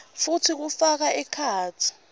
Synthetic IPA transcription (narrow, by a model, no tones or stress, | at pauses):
futʰik̬ufak̬aʔɛkʰaːtʰi̥